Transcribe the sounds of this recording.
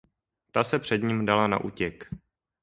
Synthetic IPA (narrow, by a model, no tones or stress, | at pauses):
t̪asɛpr̝̥ɛd̪ɲimdalana̰ʔuːcɛk